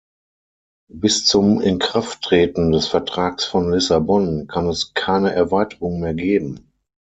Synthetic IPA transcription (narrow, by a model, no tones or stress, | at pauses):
bɪst͡sʊmɪnkʁ̥aftʁ̥eːtn̩dɛsfɛɐtʁ̥aːksfɔnlɪsabɔnkʰanɛskʰaɪnəʔɛɐvaɪtəʁʊŋmeːɐɡeːbm̩